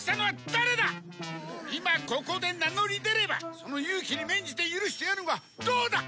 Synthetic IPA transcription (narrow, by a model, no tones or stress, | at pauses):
ɕi̥t̪anoβad̪̥aɾe̞d̪a | imako̞ko̞d̪e̞nano̞ɾʲid̪e̞ɾe̞ba̰so̞no̞jɯːkʲiɲʲimẽ̞ɲ̟d͡ʑit̪e̞jɯɾɯ̟ɕi̥t̪eaɾnɯoɡa | d̪oːd̪a